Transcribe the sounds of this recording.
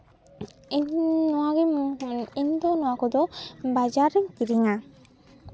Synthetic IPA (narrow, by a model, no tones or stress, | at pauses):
nɔwaɡɛ | ind̪ɔnɔwakɔd̪ɔbad͡ʒaɾɛŋkiɾiŋa